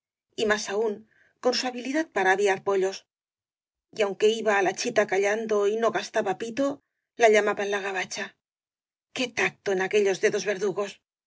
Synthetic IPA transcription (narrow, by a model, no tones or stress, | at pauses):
imasauŋ | ko̞nsuaβiliðat̪̚paɾaːβiaɾpo̞ʎo̞s | iawŋke̞iβaːlat͡ʃit̪akaʎand̪o̞ino̞ɣast̪aβapit̪o̞ | laʎamaβanlaɣaβ̞at͡ʃa | ke̞t̪ak̚t̪o̞enake̞ʎo̞zðe̞ðo̞zβe̞ɾðuɣo̞s